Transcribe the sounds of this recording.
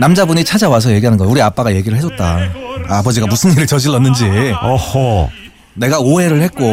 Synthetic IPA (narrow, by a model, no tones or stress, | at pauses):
namd͡ʑabuɲit͡ɕʰad͡ʑawas̬ʰʌje̞ɡiɦanɯnɡʌuɾiap͈aɡaje̞ɡiɾɯɭɦeʌt̚t͈aabʌd͡ʑiɡamusʰɯniɾɯɭt͡ɕʌd͡ʑiɭːʌnːɯnd͡ʑiʌho | ne̞ɡaoe̞ɾɯɭhet̚k͈o